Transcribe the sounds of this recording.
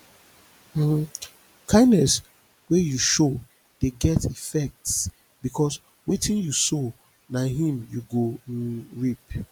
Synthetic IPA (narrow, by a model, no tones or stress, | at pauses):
kʰãɪ̃ndnɛs | wejuʃo | d̥eɡɛtifɛk̚ts | bikʰɔs | wetʰĩnjuso | naɦĩmjuɡoɹip